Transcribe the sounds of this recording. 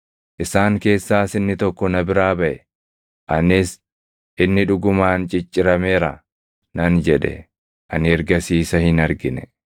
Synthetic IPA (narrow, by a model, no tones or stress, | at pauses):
ʔɪsaːŋke̞ːsːaːsɪnːɪt̪ɔkːɔnɐbɪɾaːbɐʔɛ | ʔɐnɪs | ʔɪnːɪᶑʊɡʊmaːnt͡ʃʼɪt͡ʃʼːɪɾɐmeːɾɐ̰ | nɐnd͡ʒɛᶑɛ̰ | ʔɐnɪɛɾɡɐsiːsɐhɪnɐɾɡɪnɛ̥